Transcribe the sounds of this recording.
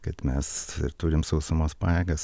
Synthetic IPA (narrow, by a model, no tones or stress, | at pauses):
kɐt̪mʲɛsɪ̰ɾt̪uːɾʲɪmsɐʊsʲɐmoːspɑːjɛːɡɐs